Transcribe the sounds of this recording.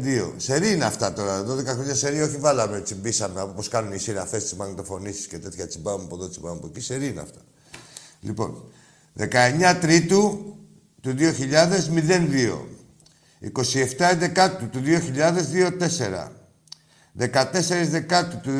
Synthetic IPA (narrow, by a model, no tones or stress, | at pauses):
ðio̞̰se̞ɾineɐft̪ɐt̪o̞ɾɐðo̞ðe̞kɐxɾoɲɐse̞ɾioçivɐlɐmet͡simbisɐmeɐpopo̞skɐnunisiɾɐfest̪izmɐnt̪ofo̞nisi̥scet̪e̞t̪çɐt͡sibɐvɐmepoðot͡sibɐvmepociseɾinḛɐ̰ft̪ɐ̥ | lḭpo̞̰n | ðekɐe̞ɲɐt̪ɾit̪u | t̪uðio̞çiʎɐðe̞zmiðe̞nðio̞̰ | ḭko̞sie̞ft̪ɐe̞nd̪e̞kɐt̪ut̪uðio̞çiʎɐðe̞zðio̞t̪e̞se̞ɾɐ̰ | ðe̞kɐt̪e̞se̞ɾizðe̞kɐt̪ut̪u